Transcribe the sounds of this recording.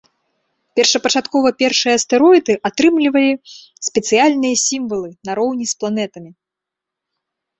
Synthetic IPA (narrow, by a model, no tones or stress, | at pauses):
pʲɛrʂɐpɐt͡ʂat̪kɔvɐpʲɛrʂɨjɐst̪ɛɾɔjd̪ɨʔat̪ɾɨmlʲivɐlʲi | sʲpʲɛt̪sɨjalʲnɨjɐsʲimvɐlˠɨnɐɾɔwnʲisplˠanɛt̪ɐmʲi